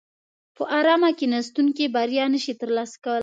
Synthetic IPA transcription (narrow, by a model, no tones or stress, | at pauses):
pəʔɑɾɑmakenast̪uŋkebaɾjɑnəʃit̪əɾlɑsḁkawəl